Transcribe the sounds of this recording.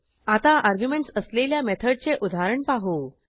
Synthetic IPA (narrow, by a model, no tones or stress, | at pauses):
at̪aʔaɾɡjumeɳʈsəsleljamet̪ʰəɖ̚t͡seʔud̪ʱaɾəɳpaɦo